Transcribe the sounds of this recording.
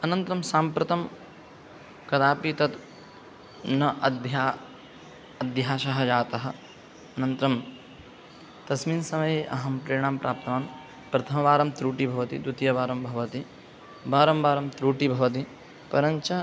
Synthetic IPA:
ɐnɐnt̪ɾɐmsaːmpɾɐt̪ɐm | kɐd̪aːpit̪ɐt̪ | nɐʔɐd̪ʱjaː | ɐd̪ʱjaːʃɐɦɐ̆d͡ʒaːt̪ɐɦɐ̆ | ɐnɐnt̪ɾɐm | t̪ɐsmiːnsɐmɐjeʔɐɦɐmpɾɐɾɪɳ̃aːmpɾʔaːp̚t̪ɐʋaːm | pɾɐt̪ʰɐmɐʋaːɾɐmt̪ɾuːʈibʱɐʋɐt̪ḭd̪ut̪jɐʋaːɾɐmbʱɐʋɐt̪i | baːɾɐmbaːɾɐmt̪ɾuːʈibʱɐʋɐt̪̬i | pɐɾɐɲt͡ʃɐ

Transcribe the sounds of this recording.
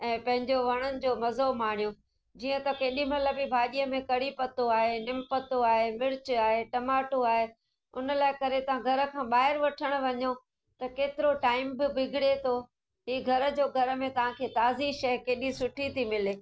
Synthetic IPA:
ɛ̃ːpɐ̃ɦɪ̃ɲd͡ʑoʋɐɽ̃ənɪ̆d͡ʑoːmɐzomaːɳ̤ijo | d͡ʑiːə̃t̪ɐkeːɗimɐləbibʱaːɗijəmẽkɐɽipɐt̪oaːɦenɪmpət̪oaːɦemɪɾɪt͡ɕaːɦeʈɐmaːʈoaːɦe | ʊnəlaːɪkɐɾet̪ɐʋ̤ãɡʱɐɾə̆kʰãːɓaːɦɪɾʋɐʈʰəɽ̃ʊ̆ʋɐɲo | t̪ɐkeːt̪ɪɾoʈaːɪmbɪbɪɡʱɪɽet̪ʰo | ɦiːɡʱɐɾə̆d͡ʑoːɡʱɐɾəmẽt̪ɐʋ̤ãkʰeːt̪aːziʃɐɦkeːɗisʊʈʰit̪ʰimɪleː

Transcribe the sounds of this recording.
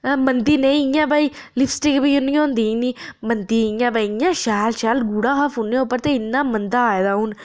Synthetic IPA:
mənd̪iːnẽjãːbaiːlɪpʰsʈikbʱiːʊnːĩːõːnd̪iːnĩːmənd̪iːɪ̃ãːbaijãːʃɛːlʃɛːlɡuːɽãːɦaːfunːẽopːəɾt̪eːɪnːãːmənd̪aːjd̪aːuːn

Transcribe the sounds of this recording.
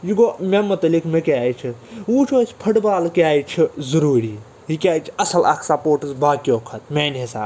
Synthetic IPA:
jiɡomʲemɐt̪ɐlikʰmekaːjt͡ʃʰiuːt͡ʃʰoːt͡ʃʰpʰɐɖbaːlkaːit͡ʃʰizɐɾuːɾiː | ɦikʲaːjt͡ʃʰi̥ɐsɐlʔɐ̰kʰsaːpoːʈɐsbaːkjoːkʰɐt̪meːnɦisa̰ː

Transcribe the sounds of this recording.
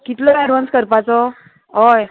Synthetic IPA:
kit̪lɔeɖʋanskəɾpat͡sɔ | ɦoj

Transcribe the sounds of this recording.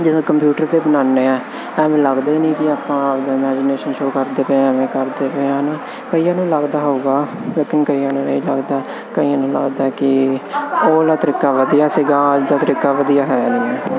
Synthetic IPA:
d͡ʒɪd̪ãːkəmpjuːʈəɾt̪eːbənaːnːeːɛː | ɛːʋẽːləɡd̪aːnĩːkiːaːpãːd̪aːɪmɛːd͡ʒɪneːʃənʃoːkəɾd̪eːpẽaːʋẽːkəɾd̪eːpẽːãːnaː | kəiːãːnũːləɡd̪aːɦouːɡaː | leːkɪnkəiːãːnũːnə̰ĩːləɡd̪aː | kəiːãːnũːlə̰ɡd̪aːɛkɪ | oːlaːt̪əɾɪkaːʋəd̪ijaːsɪɡaːd͡ʒd̪aːt̪əɾɪkaːʋəd̪ijaːɦɛːlĩːɛː

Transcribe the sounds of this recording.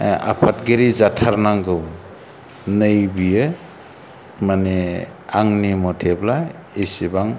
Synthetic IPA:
a̰pʰat̚ɡeɾizatʰaɾnaŋɡɯw | nɯjbijɯ | mane | aŋnimɔtʰebla | isibaŋ

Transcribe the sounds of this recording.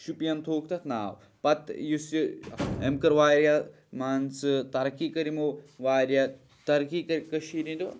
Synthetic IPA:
ʃupijɐnt̪ʰoːk̚t̪ɐt̪ʰnaːw | pɐt̪jusjiemkɐɾʋaːɾja | maːnsɨt̪ɐɾɐkikɐɾimoʋaːɾja | t̪ɐɾkikɐɾkɐʃiːɾĩnd̪o

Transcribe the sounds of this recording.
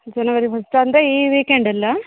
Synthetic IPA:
d͡ʒɐnɐʋɐɾipɐsʈɐɐnd̪eiːʋiːkeɳɖɐlːɐ

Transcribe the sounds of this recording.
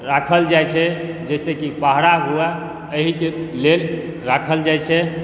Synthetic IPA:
ɾakʰəld͡ʒajt͡ʃʰɛ | d͡ʒɛjsekipaɦɽaɦua | əɦikelel | ɾakʰəld͡ʒajt͡ʃʰɛ

